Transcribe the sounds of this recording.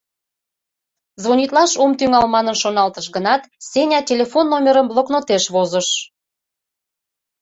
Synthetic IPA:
zβonʲit̪lɑʃumt̪yŋɑlmɑnənʃonɑlt̪əʃɡənɑt̪sʲenʲɑtʲelʲefonːomʲeɾəmblˠoknot̪eʃβozəʃ

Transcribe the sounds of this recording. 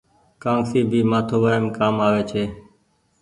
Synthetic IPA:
kãːŋsiːbʱiːmaːt̪ʰoːʋaːɪmkaːmaːʋeːt͡ʃʰeː

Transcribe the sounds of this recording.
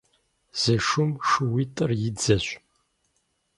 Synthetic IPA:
z̥ɨʂʊmʂɨwitʼɨrjɪd͡zɐɕʷ

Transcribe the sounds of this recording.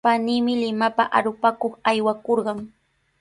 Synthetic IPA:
paniːmɪlɪmapaʔaɾʊpakoχajwakoɾɢɑŋ

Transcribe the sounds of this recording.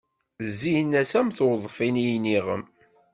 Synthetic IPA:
zːijnːæsæmθoðˤfinijniʁə̰m

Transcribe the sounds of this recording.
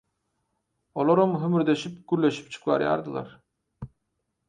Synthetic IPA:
olˠoɾumɦymyɾd̪eʃip̚ɡ̥yɾlʲe̞ʃi̥p̚t͡ʃʰɯ̥kvɑ̰ɾjɑ̰ɾd̪ɯlˠɑ̰ɾ

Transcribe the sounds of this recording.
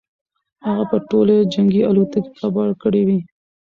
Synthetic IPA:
haɣapəʈolad͡ʒaŋɡialut̪əki̥kabɑlkəɽiwi

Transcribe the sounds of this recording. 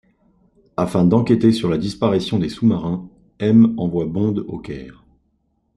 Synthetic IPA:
afɛ̃d̪ɑ̃kʲet̪esyʁlad̪ispaʁisjɔ̃d̪esumaʁɛ̃ | ɛmɑ̃vwabɔ̃d̪o̰kʲɛ̰ːʁ

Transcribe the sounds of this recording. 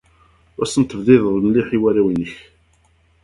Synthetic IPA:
wæsənt̪əvðɪðlmliħiwæɾæwinəç

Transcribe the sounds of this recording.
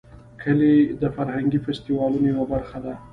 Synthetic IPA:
kʰəled̪əfaɾhaŋɡifast̪iwɑlunewabaɾxad̪a

